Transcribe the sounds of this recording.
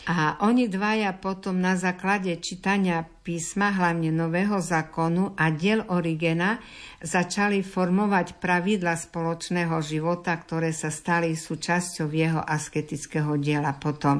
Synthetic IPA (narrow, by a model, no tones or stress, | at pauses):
ʔaʔɔɲid̪ʋajapɔt̪ɔmnazaːklaɟɛt͡ʃit̪aɲɪapiːsmaɦlaʊɲɛnɔʋɛːɦɔzaːkɔnuʔaɟɪɛlʔɔɾiɡɛna | zat͡ʃalifɔɾmɔʋacpɾaʋid̪laspɔlɔt͡ʃnɛːɦɔʒiʋɔt̪akt̪ɔɾɛːsast̪alisuːt͡ʃascɔʊjɛɦɔ̰ʔaskɛt̪it͡skɛːɦɔɟɪɛlapɔt̪ɔm